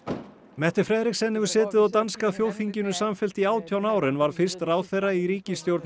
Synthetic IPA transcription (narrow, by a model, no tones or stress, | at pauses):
mɛht̪ɪɾ̥fɾɛːðɾɪxsɛnːɪvʏɾ̥sɛːt̪ɪðawt̪anskaθjoːwθiɲcɪnʏsamfɛl̥t̪iaːwt̪ʰjawnaːwɾɪnvaɾ̥fɪr̥st̪raːwθejrːaiɾiːcɪst̪jowɾt̪n